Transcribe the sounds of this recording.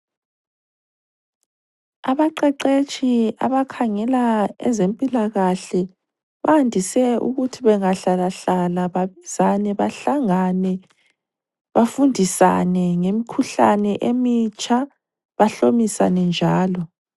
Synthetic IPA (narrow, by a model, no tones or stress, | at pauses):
aβaǃɛǃet͡ʃʼia̰βakʰaŋɛlaɛ̰zempʼilaɣaɬɛ | βaandʱisɛʔṵɣutʰiβɛŋaɬalaɬalaβaβizanɛβaɬaŋanɛ | βafundʱisa̰nɛŋemikʰuɬanɛʔemit͡ʃʼa | βaɬomisa̰nɛnd͡ʒʱaːlɔ